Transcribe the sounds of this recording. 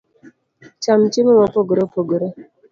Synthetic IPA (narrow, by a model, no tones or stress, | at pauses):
t͡ʃamt͡ʃɪmomɔpoɡoɾopoɡoɾo